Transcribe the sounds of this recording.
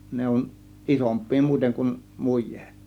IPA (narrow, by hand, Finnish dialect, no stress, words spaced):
ne on ʔisompˑiː muiteŋ kun mujˑe̥ːt